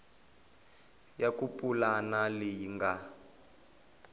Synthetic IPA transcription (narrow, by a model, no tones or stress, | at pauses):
jakupʼulanalijiŋɡa